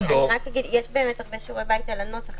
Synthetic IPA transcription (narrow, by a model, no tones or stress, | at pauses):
niʁakːaɡid̪jɛʃbeːmet̪aʁbeʃoʁebajt̪alanosaχ